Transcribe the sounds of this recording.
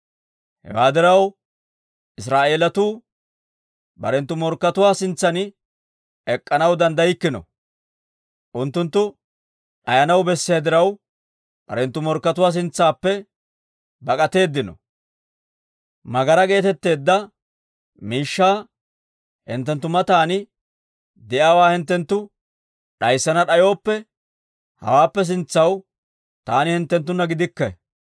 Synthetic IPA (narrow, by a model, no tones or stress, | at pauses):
hɛ̰waːd̪ɪɾɐw | ɪs̬ɾaːʔe̞ːlɐt̪uː | bɐɾɛnt̪ːʊmɔɾkːɐt̪ʊwaːsɪnt͡sːɐnɪ | ɛkʼːɐnɐwd̪ɐnd̪ɐjɪkːɪnɔ̰ | ʔʊnt̪ːʊnt̪ːʊ | ʔɐjɐnɐwbɛsːɪjad̪ɪɾɐw | b̥ɐ̰ɾɛnt̪ːʊmɔɾkːɐt̪ʊwaːs̬ɪnt͡sːaːpːɛ | bɐkʼɐt̪e̞ːd̪ːɪnɔ̰ | mɐɡɐɾɐɡe̞ːt̪ɛt̪ːe̞ːd̪ːɐ | miːʃːaː | hɪ̰nt̪ːɛnt̪ːʊmɐt̪aːnɪ | d̪ɛjaːwaːhɪnt̪ːɛnt̪ːʊ | ɗɐjsːɐnɐɗɐjo̞ːpːɛ | hɐ̰waːpːɛs̬ɪnt͡sːɐw | t̪aːnɪhɪnt̪ːɛnt̪ːʊnːɐɡɪd̪ɪkːɐ